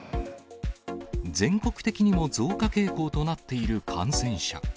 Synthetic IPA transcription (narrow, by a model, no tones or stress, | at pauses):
d͡zẽ̞ŋko̞kɯ̥t̪e̞kʲiɲ̟imo̞d͡zo̞ːkake̞ːko̞ːt̪o̞nat̪ːe̞iɾɯ̟kʰã̰ɰ̃sẽ̞ɰ̃ɕa̰